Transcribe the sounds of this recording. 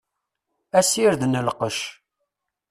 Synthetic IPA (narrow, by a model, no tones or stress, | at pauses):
æsiɾðnəlqəʃ